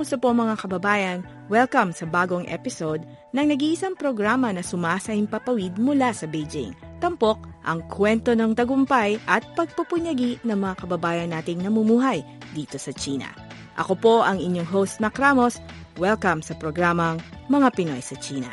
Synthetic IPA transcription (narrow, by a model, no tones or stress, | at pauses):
sɐpoŋmɐŋakɐbɐbaːjɐn | wɛlkɐmsɐbaːɡo̞ŋʔɛ̰pɪsod̪̚ | nɐŋnɐɡiːʔɪsaŋpɾoɡɾamɐnɐsʊmaːsɐɪmpɐpɐwid̪̚mʊlasɐbɛjd͡ʒɪ̰ŋt̪ɐmpo̞k̚ʔɐŋkʰwɛnt̪o̞nɐŋt̪ɐɡʊmpajʔɐt̪̚pɐɡ̚pɐpʊɲɐɡinɐŋmɐŋakɐbɐbaːjɐnːaːt̪ɪŋnɐmʊmuːɦɐj | d̪iːt̪o̞sɐt͡ʃiːnɐ̰ | ʔɐ̰ko̞po̞ʔɐŋɪɲjoŋɦowst̪̚mɐkɾamo̞s | wɛlkɐmsɐpɾoɡɾamɐŋmɐŋapɪno̞̰jsɐt͡ʃiːnɐ̰